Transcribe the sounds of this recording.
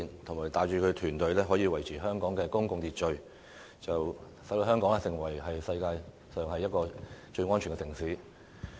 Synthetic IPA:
nt̪ʰʊ˨˩ŋmaː˨˩jt̪aː˨jt͡ʃyː˨˧kʰɵ˨˧t̪ʰyː˨˩nt̪ɵ˨˧ɥlɛː˥ɦɔ˨˥jiː˧wɐ˨˩jt͡sʰiː˨˩ɦœː˥ŋkɔː˨˥ŋkɛː˧kʊ˥ŋkʊ˨˧ŋt̪iː˨t̚t͡ʃɵ˧ɥ | t͡sɐ˨w | sɐ˨˥d̪o˧ɦœː˥ŋkɔː˨˥ŋː˥sɪ˨˩ŋwɐ˨˩jɦɐ˨jsɐ˧jkaː˧j | sœː˨ŋhɐ˨jːɐ˥t̚kɔː˧t͡ʃɵ˧ɥŋɔː˥nt͡ʃʰy˨˩ɡɛ˧sɪ˨˩ŋsiː˨˥

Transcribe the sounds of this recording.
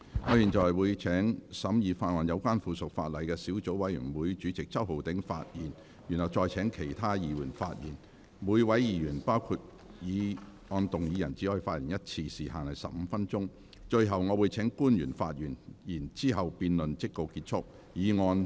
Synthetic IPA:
ŋɔː˨˧jiː˨˩nt͡ʃɔ˨jwuː˨˧jt͡sʰɛː˨˥ŋsɐ˨˥mjiː˨˧faː˧t̚ŋɔː˨˧njɐ˨˧wkʷaː˥nfuː˨sʊ˨k̚faː˧t̚lɐ˨jkɛː˧siː˨˥wt͡so˨˥wɐ˨˥jy̰˨˩nwuː˨˧jt͡ʃyː˨˥t͡sɪ˨k̚t͡sɐ˥who˨˩wt̪ɪ˨˥ŋfa̰ː˧t̚jiː˨˩n | jy˨˩nhɐ˨w̚t͡ʃɔː˧jt͡sʰɛː˨˥ŋkʰe˨˩jt̪ʰaː˥jiː˨wuː˨˩nfaː˧t̚jḭː˨˩n | wuː˨˧jwɐ˨˥jjiː˨˧jyː˨˩npaː˥wkʰu˧t̚ | jiː˨˧ | ŋɔː˧nt̪ʊ˨ŋjiː˨˧jɐ˨˩nt͡si˨˥hɔː˧˥i˧faː˧t̚jiː˨˩njɐ˥t̚t͡sʰiː˧siː˨ɦaː˨nɐ˨jsɐ̰˨p̚m̩˨˧fɐ˥nt͡ʃʊ˥ŋ | t͡ʃɵ˧ɥɦɐ˨˩wŋɔː˨˧wuː˨˧jt͡sʰɛː˨˥ŋkuː˥njyː˨˩nfa̰ː˧t̚jyː˨˩njiː˨˩nt͡siː˥ɦɐ˨wpiː˧nlɵ˨nt͡sɪ˥kko˧wkiː˧t̚t͡ʃʰʊ˥k̚ | jiː˨˧ŋɔː˧n

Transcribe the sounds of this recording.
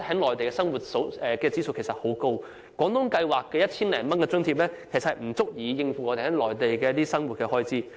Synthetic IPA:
e˨˩hɐ˨˥ŋlɔː˨˩jt̪e˨jkɛː˧sɐ˥ŋwuː˨t̚so˨˥wɛː˨kɛː˧t͡siː˥˩so˨˧wkʰe˨˩sɐ˨t̚ho˨˥wko˥w | kʷɔː˨˥ŋt̪ʊ˥ŋkɐ˧jwaː˨kːɛː˧jɐ˥t̚t͡sʰiː˥nlɛː˨˩nmɐ˥nkɛ˧t͡sɵ˥ŋt̪ʰiː˧˥p̚lɛː˥kʰe˨˩sɐthɐ˨˩m̩˨˩t͡sʊ˥k̚jiː˨˧jɪ˧ŋfu˨˥ŋɔː˨˧e˨˩hɛ˨˥ŋlɔː˨˩jt̪e˨jkɛː˧˥t̪iː˥sɐ˥ŋwu˨t̚kɛː˧hɔː˥jt͡siː˥

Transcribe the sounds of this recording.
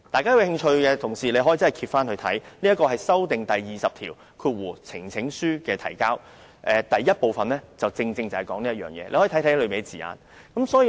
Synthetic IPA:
t̪aː˨jkaː˥wu˧hɪ˧ŋt͡ʃʰɵ˧ɥkɛ˧t̪ʰʊ˨˩ŋsiː˨le˨˧jɦɔː˨˦˥i˨˩t͡sɐ˥ɐ˨˩kʰiː˧t̚faː˥nhɵ˧ɥt̪ʰɐ̰˨˥jniː˥ɐ˥tkɔː˧hɐ˨jsɐ˥wt̪ɪ˨ŋt̪ɐ˨jːiː˨sɐ˨p̚t̪ʰiː˨˩w | kʰuː˧t̚wuː˨˩t͡sʰɪ̰˨˩ŋt͡sʰɪ˨˥ŋsyː˥kɛː˧t̪ʰɐ̰˨˩jkaː˥w | ʔɛː˨˧t̪ɐ˨jːɐ˥t̚po˨wfɐ˨nlɛː˥t͡sɐ˨wt͡sɪ˧ŋt͡sɪ˧ŋt͡sɐ˨˩whɐ˨jkɔː˨˥ŋniː˥ɐ˥t̚jœː˨ŋjɛ̰ː˧le˧hɔː˨˥˨jt̪ʰlɵ˨˧ɥmi˨˩˨t͡siː˨a̰ː˨˩n | kɐ˨˥msɔː˨˥j

